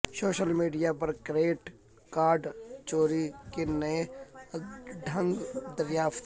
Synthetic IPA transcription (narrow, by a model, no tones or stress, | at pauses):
soːʃəlmiːɖijapɐɾkɾeːʈ | kaːɾɖt͡ʃoːɾikenəe | ɖʱə̃ŋɡd̪əɾjaːft̪